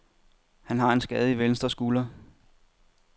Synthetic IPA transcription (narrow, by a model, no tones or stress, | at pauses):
hænɦɑ̈e̝nsɡ̥ɛːð̞̩ˠiʋeln̩sd̥ɐsɡ̥uːlɐ